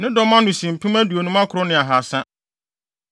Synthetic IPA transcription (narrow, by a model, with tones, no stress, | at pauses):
nɪ̃˦dɔ˦mã˦nʊ̃˨sĩ˨m̩˨pʰĩ˦mæ˦du˨o˨nũ˦mã˦kʰʊ˨ɾʊ˦nɪ̃˨a˨ɦa˨sã˦